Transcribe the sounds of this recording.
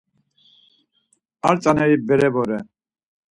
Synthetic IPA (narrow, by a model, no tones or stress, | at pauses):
aɾt͡sʼanɛɾibɛɾɛbɔɾɛ